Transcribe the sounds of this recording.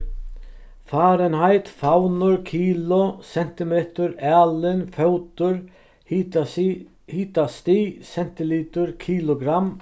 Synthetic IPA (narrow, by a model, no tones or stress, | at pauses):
faːɾənhaɪt̪fawnʊɾkʰiːlʊsɛn̥t̪ɪmeːt̪ʊɾæːlɪnfœwt̪ʊɾ | hiːt̪ast̪iːsɛn̥t̪ɪliːt̪ʊɾkʰiːlʊɡɾam